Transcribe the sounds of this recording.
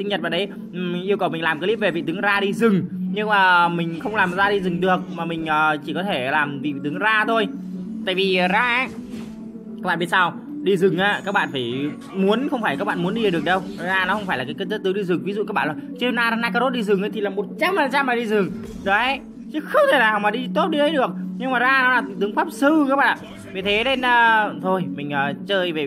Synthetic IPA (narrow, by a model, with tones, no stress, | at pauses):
sï˧ŋ̟ɲə˨˩t̚ɓa̰ː˧˨ɗj | ŋʔi˧əwkə˨˩wmi˨˩ŋ̟laː˨˩mkːli˦˥ve˨˩vḭ˧˨t̪ɨ˨˦ŋzaː˧ɗi˧zɨ˨˩ŋɲɨ˧ŋmaː˨˩mï˨˩ŋ̟xə˧wŋ͡mlaː˨˩mzaː˧ɗi˧zɨ˨˩ŋɗɨ˨˩ə˩k̚maː˨˩mï˨˩ŋ̟ʔəː˨˩t͡ɕi˧˩kɔ˨˦t̪ʰe˧˩laː˨˩mvḭ˧˨t̪ɨ˨˦ŋzaː˧t̪ʰo˧jt̪a̰ː˧˨jvi˨˩˨zaː˧˦ | a˦˥ɓa̰ː˧˨ɓt̚saː˧w | ɗi˧zɨ˨˩ŋʔaː˨˦kaː˦˥k̚ɓa̰ː˧˨nfaː˧˩j | mu˨˦ənxə˧wfaː˧˩jka˦˥k̚ɓa̰ː˧˨mu˨˦ənɗi˧ə˨˩ɗɨ˨˩ək̚ɗə˧wzaː˧nɔ˨˦xə˧wŋ͡mfaː˧˩la˨˩kaː˨˦jkə˧t̪ə˦˥t̪ɨ˨˦ɗi˧zɨ˨˩ŋvi˨˦zṵ˧˨kaː˦˥ɓa̰ː˧˨la˨˩t͡ɕi˧naː˧a˧naː˧kaː˧zo˦˥t̚ɗi˧zɨ˨˩ŋʔə˨˦t̪i˨laː˨˩mo˨˩t̚t͡ɕa˧mhaː˨˩nt͡ɕa˧mːaː˨˩ɗi˧zɨ˨˩ŋ | ɗə˨˦hə˨˦j | t͡ɕɨ˨˦xə˧wŋ͡mt̪ʰe˧˩naː˨˩wmaː˨˩ɗi˧t̪o˦˥t̚ɗi˧tə˨˦jɗɨ˨˩ək̚ɲɨ˧ŋmaː˨˩zaː˧na˨˦laː˨˩t̪t̪ɨ˨˦əŋfaː˦˥p̚sɨ˧kaː˦˥k̚ɓaː˧˨a̰˧˨ | vi˨˩t̪ʰe˨˦ne˧nəː˨˧t̪ʰo˧jmï˨˩ŋ̟ʔəː˨˩t͡ɕəː˧jve˨˩